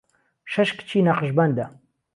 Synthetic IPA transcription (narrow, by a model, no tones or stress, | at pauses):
ʃɐʃkt͡ʃʰiːnaqəʒbɐnd̪a